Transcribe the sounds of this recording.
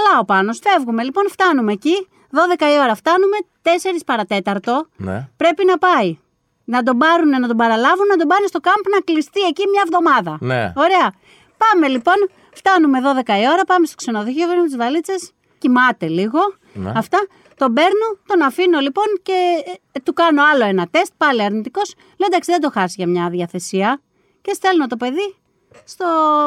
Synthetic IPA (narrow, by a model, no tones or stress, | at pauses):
lɐo̞pɐno̞sfe̞vɣume̞lipo̞nft̪ɐnume̞ci | ðo̞ðe̞kɐio̞ɾɐft̪ɐnume̞t̪e̞se̞ɾispɐɾɐt̪e̞t̪ɐɾt̪o̞n̰pɾe̞pinɐpɐi | nɐd̪o̞bɐɾune̞nɐt̪obɐɾɐlɐvunnɐt̪̬obɐunest̪o̞kɐmpnɐklist̪ie̞cimɲɐevðomɐðɐno̞ɾe̞ɐ | pɐme̞lipo̞n | ft̪ɐnume̞ðoðe̞kɐio̞ɾɐpɐmest̪okse̞noðoçiovenumet̪izvɐlit͡se̞s | cimɐt̪e̞liɣo̞̰ | ɐft̪ɐ | t̪o̞be̞ɾnut̪o̞nɐfino̞lipo̞nce̞t̪ukɐno̞ɐlo̞e̞nɐt̪e̞st̪̚pɐliɐɾnit̪iko̞s | leod̪ɐksiðed̪o̞xɐsiʝɐmɲɐðiɐθe̞siɐ | cest̪e̞lnot̪o̞pe̞ði | st̪o̞